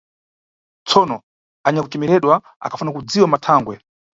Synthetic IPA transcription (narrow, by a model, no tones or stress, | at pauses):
t͡sʰɔnɔ | aɲakut͡ʃɛmɛɾɛɗwa | a̰kʰḁfunakud͡ziwamatʰaːŋɡwɛ